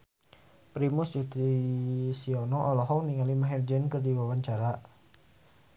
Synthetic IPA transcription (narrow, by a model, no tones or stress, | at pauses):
pɾimʊsd͡ʒut̪isiɔnɔʔɔlɔɦɔniŋalimaɦɛrd͡ʒənkərdiwawaɲt͡ʃaɾa